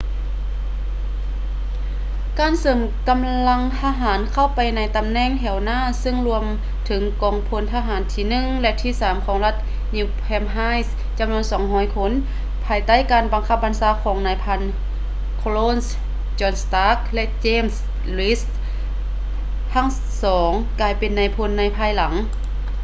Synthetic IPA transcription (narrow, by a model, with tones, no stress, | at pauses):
kaː˨˩nsɤː˨˩˦m | ka˧˨mla˧ŋt̪ʰaː˧ɦaː˩˦nkʰa˧˥˩wpa˨jna˧jt̪a˧˨mnɛː˧˥˨ŋɦɛ˨˩wnaː˧˥˨sɯ˧˥˨ŋlu˧əm | t̪ʰɯ˨˦ŋkɔː˨˩ŋpʰo˧˦nt̪ʰaː˧ɦaː˨˩˦nt̪ʰiː˧nɯ˧˥ŋlɛ˧t̪ʰiː˧˥˨saː˨˦mkʰɔː˨˩˦ŋla˧t̪̚ | ɲuː˧pʰɛː˧mɦaː˧˥js | t͡ɕa˨˧˨mnu˧ənsɔː˨˦ŋɦɔː˧˩jkʰo˧˥˨n | pʰaː˧jt̪a˥˩˨jkaː˨nba˨˧ŋkʰa˧˥p̚ba˧˨nsaː˧˦kʰɔː˨˦ŋnaː˧jpʰa˧˥n | kʰo˧loː˧˥˨ns | t͡ɕɔː˧˩nst̪aː˧˥k̚lɛ˧˥ʔt͡ɕeː˧˥˨ms | li˦˥s | tʰaː˧˥˩ŋ | sɔː˩˦ŋkaː˨˧jpe˨nːa˧jpʰo˧nːa˧jpʰaː˧˩jla˩˦ŋ